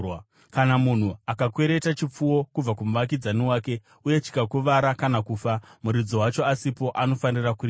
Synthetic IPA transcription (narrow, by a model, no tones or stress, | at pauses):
kanamun̤uakakwe̞ɾe̞tat͡ʃip͡fuwo̞kub͡vakumuʋak̬id͡zaniwaːke̞ | uje̞t͡ʃi̥kakuʋaɾakanakuːfamuɾid͡zowat͡ʃo̞asipo̞ʔano̞fanirakuriː